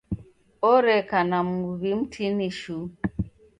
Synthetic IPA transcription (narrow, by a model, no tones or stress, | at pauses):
ɔɾɛkanamuβim̩tʰiniʃu